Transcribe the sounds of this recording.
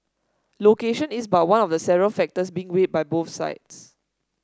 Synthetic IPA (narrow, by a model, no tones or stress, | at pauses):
lokeʃə̃nisbat̚wãnɔfdəsɛvəɹəlfɛk̚təsbĩːŋwet̚baɪboθsa̰ɪts